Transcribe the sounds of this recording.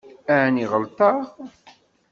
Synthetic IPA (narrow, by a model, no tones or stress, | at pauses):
æʕniʁəlt̪ɑʁ